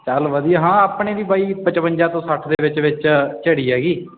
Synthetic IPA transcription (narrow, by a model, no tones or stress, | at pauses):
t͡ʃəlʋəd̪iːaːɦãːaːpɳeːʋiːbaːiːpət͡ʃʋəɲd͡ʒãːt̪õːsəʈʰd̪eːʋɪt͡ʃʋɪt͡ʃt͡ʃəɽiːɦɛːɡiː